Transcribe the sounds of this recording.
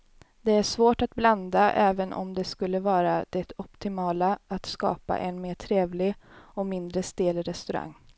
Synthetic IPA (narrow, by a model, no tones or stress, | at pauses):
d̪ɛæʂvoːʈat̪bland̪aʔɛːvənʔɔ̰md̪ɛskɵlːəvɑːɾad̪̥ɛt̪ɔpt̪ɪmɑːlaat̪skɑ̰ːpa̰ʔɛnmeːʈʰɾeːvlɪɔmɪnd̪ɾəst̪eːlɾɛst̪ɵɾa̰ŋː